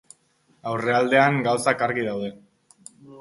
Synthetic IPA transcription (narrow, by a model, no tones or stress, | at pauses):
awre̞ald̪e̞aŋɡawsakaɾɣiðawð̞e̞